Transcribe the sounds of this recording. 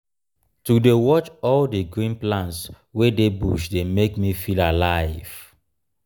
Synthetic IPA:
tudewɔt͡ʃɔldəɡɹĩnplãnts | wedebuʃdemekmifilalaɪv̥

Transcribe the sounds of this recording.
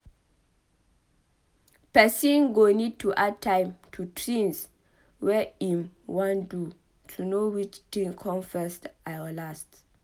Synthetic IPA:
pɛsĩnɡonid̚tʰuʔad̚tʰːãjmtʰutʰɹĩns | wɛĩmwãndu | tʰunowit͡ʃtĩŋkʰɔ̃nfɛstʔawəlast

